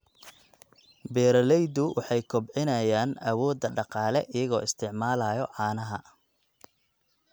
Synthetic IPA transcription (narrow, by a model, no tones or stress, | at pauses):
bɛːɾɐlɛjd̪ʊwʔɑħɑjkʰɔbʕɪnɐjaːnɐwɔːd̪ːɐɖɑqɑːlɛʔɪjɐɣɔːɪst̪ʰɪʕmaːlaːjɔʕɑːnɐɦɐ